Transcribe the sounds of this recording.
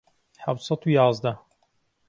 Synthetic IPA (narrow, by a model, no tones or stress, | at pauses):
ħawt̪sɐd̪ujɑːzd̪ɐ